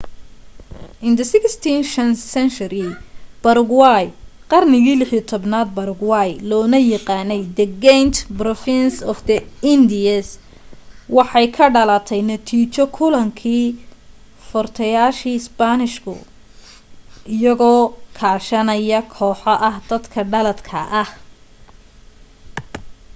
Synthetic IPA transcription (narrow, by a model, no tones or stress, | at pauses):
ʔɪnd̪ɐsɪkst̪ʰinʃɐnsɛnt͡ʃɐɾɪb̥ɐɾʊɡwɑjqɑrnɪɣiːlɪħiɐt̪ʰɔbnaːd̪̚bɐɾʊɡwɑjlɔːnɐjɐqɑːnɛjd̪ɐɡɛnt̪brɔfɪnsɔfd̪ɐɪnd̪ɪɐs | wɑħɑjkʰɐɖɐlɐt̪ʰɛjnɐt̪ʰiːt͡ʃɔkʰʊlɐŋkʰiː | fɔrt̪ʰɐjaːʃiːsbanɪʃkʰʊ̰ | ɪjɐɣɔːkʰaːʃɐnɐjɐkʰɔːħɐʔɐhd̪̥ɐd̪kʰɐɖɐlɐd̪kʰɐʔɐh